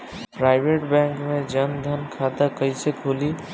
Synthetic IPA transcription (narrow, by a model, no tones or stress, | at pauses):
pɾaɪbʱeʈbɛ̃ŋkmed͡ʒənd̪ʱənkʰad̪akəɪsekʰoli